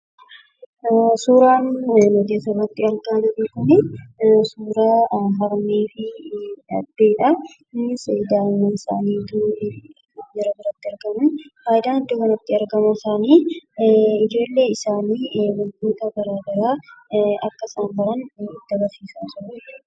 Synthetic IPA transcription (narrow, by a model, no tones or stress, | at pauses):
suːɾaːnnɔd̪esɐrɐt̪ːɪɐɾɡaːd̪ɐd̪eːkʊnɛsuːɾaːɦɐɾmeːfɪɐ̰d̪ːeːᶑɐ | ɪnːɪsejd̪aːnːɐɪsa̰ːniːd̪uː | jɛɾɐbɪɾɐt̪ːɪɐɾɡɐmʊnhaːɪd̪aːnɪd̪ːoːkɐnɐt̪ːɪɐɾɡɐmɐɪsaːniː | ɪd͡ʒo̞ːlːe̞ːɪsaːniːmʊld̪uːt̪ɐbɐɾaːd̪ɐɾaːɐkːɐɪsaːmbɐɾɐnɪd̪ːɐbɐsiːsɐnsɔnɐ